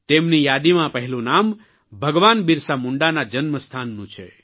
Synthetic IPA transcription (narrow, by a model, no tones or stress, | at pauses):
t̪emnijad̪imãpəɦɛlũnam | bʱəɡʋanbiɾsamuɳɖanad͡ʒənməst̪ʰanːũt͡ʃʰḛ